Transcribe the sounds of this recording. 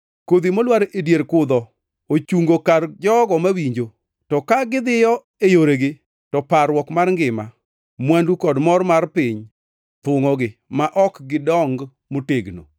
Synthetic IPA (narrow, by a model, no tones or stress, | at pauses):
kod̪imolwaɾedjeɾkʊd̪ɔ | ot͡ʃuŋɡokard͡ʒɔɡɔmawiɲd͡ʒo | tɔkaɡɪd̪ɪjɔ | ejoɾeɡɪ | tɔpaɾwɔkmarŋɡɪma̰ | mwandukɔdmɔrmarpɪɲ | t̪wʊŋɔɡɪmaʔɔkɡɪdɔŋɡ | moteɡno̰